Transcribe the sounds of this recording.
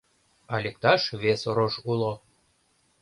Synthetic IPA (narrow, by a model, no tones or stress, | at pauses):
ɑlʲek̚t̪ɑʃβesoɾoʃulˠo